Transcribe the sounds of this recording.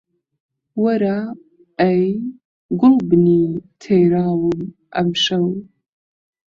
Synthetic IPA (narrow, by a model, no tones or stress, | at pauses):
wɐɾa | ɐj | ɡʷʊlbɨnitʰejɾaːwɨm | ɐ̰mʃɐw